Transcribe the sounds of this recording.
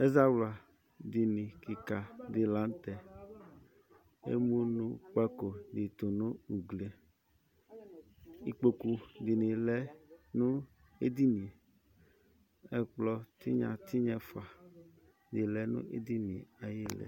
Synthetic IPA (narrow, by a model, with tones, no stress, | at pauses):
e˦za˦wla˨ | d̪i˨nĩ˨ki˨ka˨di˨la˨˦n˦t̪ɛ˨ | ḛ˦mũ˦nũ˦k͡pa˦ko˨di˨t̪o˨nũ˦u˨ɡle˨ | i˨k͡po˨ku˦di˨nĩ˨lɛ˦nũ˦ | e˦d̪i˦nĩ˨ | ɛ˦k͡plɔ˦t̪i˦ɲã̰˨t̪ʰi˦ɲɛ̃˦fa˨ | d̪i˨lɛ˦nṵ̃˦ʔḛ˦d̪i˦nĩ˨a˨je˦lɛ̰˨